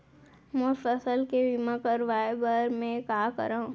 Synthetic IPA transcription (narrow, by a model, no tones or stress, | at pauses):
mõfəsəlkeʋimãkəɾʋaːebəɾmẽkaːkə̰ɾaːũ